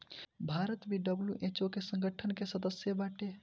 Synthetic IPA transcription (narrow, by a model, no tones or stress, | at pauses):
bʱaɾət̪biɖəbluʔet͡ʃokesə̃ŋɡəʈʰənkesəd̪əsjəbaʈe